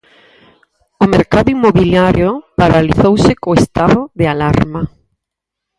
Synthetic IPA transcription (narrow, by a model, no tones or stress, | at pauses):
ʊmeɾkaðʊimːoβiljaɾjopaɾaliθowsɪkoest̪aðʊðealaɾma